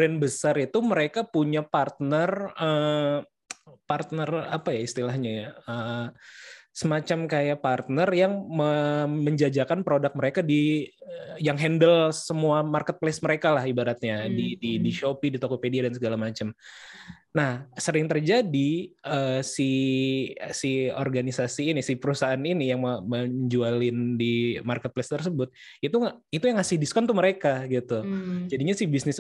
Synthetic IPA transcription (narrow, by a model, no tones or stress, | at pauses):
bɾɛnbəsaɾit̪uməɾekapuɲapart̪̚nərə | part̪̚nərapajaist̪ilahɲajaə | səmat͡ʃamkajapart̪̚nərjaŋməməɲd͡ʒad͡ʒakanpɾodak̚məɾekadi | jaŋɦɛndəlsəmuamarkət̪̚plesməɾekalahibaɾat̪̚ɲadididiʃopidit̪okopediadansəɡalamat͡ʃəm | nahsəɾɪŋt̪ərd͡ʒadiəsi | sio̰rɡanisasiːnisɪhpəɾusaɦaninijaŋmməd͡ʒualɪndimarkət̪̚plest̪ərsəbʊt̪̚ | it̪u | it̪ujaŋhasihdiskɔnt̪uməɾekaɡit̪ud͡ʒadiɲasɪhbisnɪs